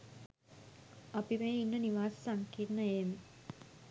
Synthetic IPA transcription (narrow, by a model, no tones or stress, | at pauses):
əpimeːinːəniʋaːssaŋkit̪nəjem